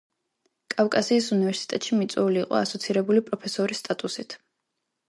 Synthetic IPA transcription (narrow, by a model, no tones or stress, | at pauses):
kʼafkʼasiːsunivɛɾsi̥t̪ʼɛt̪ʼʃimit̪sʼwɛuliːqʼɔ̰asɔt̪sʰiɾɛbulipʼɾɔpʰɛsɔɾist̪ʼat̪ʼusit̪ʰ